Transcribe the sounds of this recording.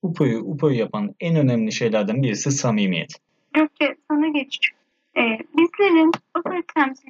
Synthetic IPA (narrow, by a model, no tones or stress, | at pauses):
upʰojuʔupʰojyjapʰanænø̞næmlʲiʃe̞jlʲæɾd̪ænbiɾisisamimijɛ̰t̪ʰ | ɟok̚cʰɛsonaɟet͡ʃʰi̥t͡ʃ | ɛbizlʲeɾinupʰot̪ʰæmzi